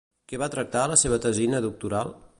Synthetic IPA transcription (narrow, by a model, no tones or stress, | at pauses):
kɛβat̪ɾək̚t̪aləseβ̞ət̪əzinəðuk̚t̪uɾalˠ